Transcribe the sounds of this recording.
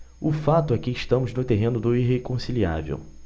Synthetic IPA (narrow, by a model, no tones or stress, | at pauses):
ʊfat̪ʊɛkɪːʃt̪ɐ̃mʊznʊt̪eɦẽnʊd̪ʊiɦekõsilia̰vḛw